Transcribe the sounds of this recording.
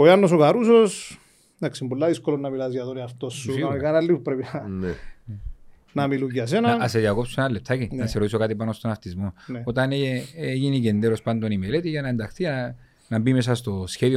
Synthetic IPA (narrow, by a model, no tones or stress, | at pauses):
ojanːosokaɾusos | naksimbulːaðiskolonːɐmilɐzjɐðoniɐft̪osːuakanalːipupɾepinane | namiluɡias̬enɐnːseðakopsunalːep̚t̪ʰakinnɐseɾois̬okat̪ipanost̪onaft̪izmoneo̞t̪ɐneeʝiniɡend̪eɾospand̪onimelet̪iʝɐnaend̪axθi | nɐmbimes̬ast̪o̞sçeðio